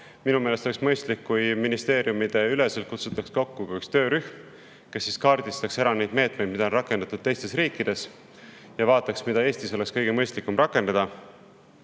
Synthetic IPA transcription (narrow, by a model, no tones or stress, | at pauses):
minume̞ːlest̪oeksmɤjst̪likːujminist̪e̞ːɾjumid̪̥e̞yle̞sel̚kut̪sut̪ːˑɑksko̞kːukuykst̪ø̞ːɾyhm | kesːiskɑːɾd̪̥ist̪ɑksæɾɑne̞jd̪me̞ːt̪me̞jd̪̥̚mid̪ɑo̞nrɑkːˑe̞nd̪̥ɑt̪ːud̪̥̚t̪e̞jst̪e̞sɾiːkːˑid̪̥e̞s | jɑvɑːt̪ːˑɑksmid̪ɑe̞ːst̪iso̞le̞kskɤ̞jɡ̥emɤ̞jst̪likːˑumɾɑkːˑe̞nd̪ɑd̪̥ɑ